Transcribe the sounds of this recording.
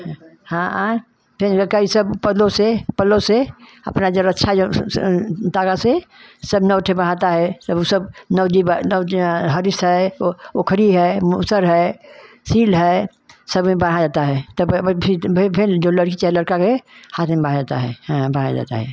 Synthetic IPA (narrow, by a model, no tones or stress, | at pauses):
hãã | pʰɪɾkəisəbpəlõsepəlõseə̰pnad͡ʒoɾətːʃʰao | t̪aːkasesəbnəʋʈʰebəɽ̤at̪aɦɛsəbsəbnəʊd͡ʒibnəɦəɾɪst̪ɦɛookʰɾiɦɛmusəɾɦɛ | siːlɦɛː | səbmẽbəɽ̤ad͡ʒaːt̪aɦɛt̪obpʰɪbɪpʰɪɾd͡ʒoləɽkit͡ʃɦɛləɽkakehaːt̪ʰmẽbəɽ̤ad͡ʒaːt̪a̰ɦɛ̃bəɽa̰d͡ʒa̰ːt̪a̰ɦɛː